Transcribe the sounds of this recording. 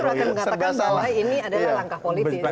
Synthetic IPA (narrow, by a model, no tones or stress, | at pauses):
akaməŋaaasaajiniadalalaŋkahpoliɪ